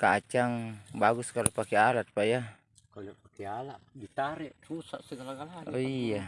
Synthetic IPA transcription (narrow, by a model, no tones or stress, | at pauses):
kat͡ʃaŋbaɡuskalapakealat̪̚u̥paja | konaʔpakɛalaʔbit̪aɾɛʔrusaʔsəɡalaɡalanija